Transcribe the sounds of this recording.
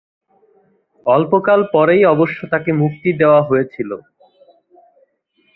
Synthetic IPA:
ɔlpokalpɔɾejɔboʃːot̪akemuk̚t̪id̪eoaɦojet͡ɕʰilo̰

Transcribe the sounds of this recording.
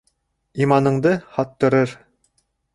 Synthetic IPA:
imɑnɤ̆ɴd̪ɤhɑt̪ːɤ̆ɾɤɾ

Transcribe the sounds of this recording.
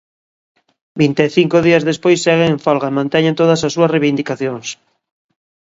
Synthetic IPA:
bint̪eθiŋkoðiɐzðespojsːeɣ̞eeɱfalɣaemãnt̪ɛɲẽnt̪oðasasːuɐsreβind̪ikaθjoŋs

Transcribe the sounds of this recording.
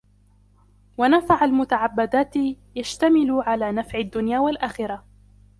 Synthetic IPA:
wanafaʕalmʊt̪aʕabːad̪aːt̪ | jaʃt̪amɪlʊʕalaːnafʕɪd̪ːʊnjaːwalʔaːxɪɾˤɑ

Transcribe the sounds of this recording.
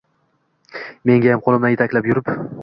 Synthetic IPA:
me̞ŋɡʲajamqʰolˠɪmd̪anjɪt̪ʰakʲlapjʊɾɪp

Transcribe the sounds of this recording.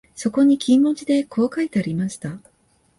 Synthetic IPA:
so̞ko̞ɲ̟ikʲĩmːo̞t͡ɕid̪e̞kʰo̞ːkait̪e̞aɾʲimaɕi̥t̪a

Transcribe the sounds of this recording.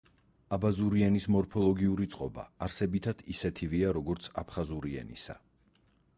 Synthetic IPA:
abazuɾiɛnismɔɾpʰɔlˠɔɡiuɾit̪sʼqʼɔba̰ːɾsɛbit̪ʰad̪̥ʰisɛt̪ʰiviaɾɔɡɔɾt̪sʰa̰pʰχazuɾiɛ̰nḭsa̰

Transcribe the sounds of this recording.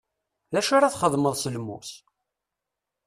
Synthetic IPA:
ðæʃaɾaθχəðˤməðˤsəlmus

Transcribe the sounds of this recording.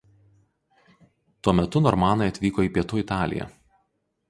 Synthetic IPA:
t̪uɔmʲɛt̪ʊnɔɾmɑːnɐɪɐt̪ʲʋʲiːkoːiːpʲiɛt̪uɪt̪ɑːlʲɪ̰jɛ̰

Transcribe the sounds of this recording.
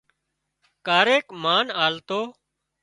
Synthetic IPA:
kaːɾeːkmaːnaːlt̪oː

